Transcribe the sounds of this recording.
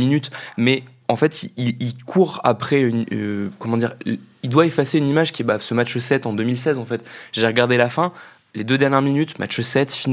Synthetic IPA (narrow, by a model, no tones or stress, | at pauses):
minyt̪mɛ | ɑ̃fɛt̪iililkʰuʁa̰pχɛynkɔmɑ̃d̪iʁild̪waefaseynimaʒkʲiɛbasəmat͡ʃəsɛt̪ɑ̃d̪ømilsɛzɑ̃fɛt̪ʒeʁəɡaʁd̪elafɛ̃ | led̪ød̪ɛʁnjɛʁminyt̪mʔa̰t͡ʃsɛt̪fin